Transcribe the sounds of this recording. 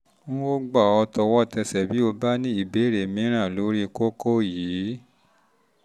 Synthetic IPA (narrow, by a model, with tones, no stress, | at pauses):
nũ˦wo˦ɡ͡ba˦˨ɔ˧tɔ˧wɔ˦tɛ˧sɛ˨bi˨˦o˧ba˦nĩ˦i˦˨be˨˦˨ɾe˨mĩ˨˦ɾ̃ã˦˨lo˨˦ɾi˦ko˦ko˦jiː˨˦